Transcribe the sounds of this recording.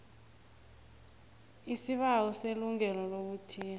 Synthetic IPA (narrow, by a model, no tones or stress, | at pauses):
isiɓawɔseluŋɛlɔlok̬utʰiːa